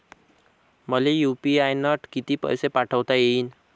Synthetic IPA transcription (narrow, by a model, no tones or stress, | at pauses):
mʌlejupiajnʌʈʰkit̪ipʌ̰jsepaʈʰəwt̪aein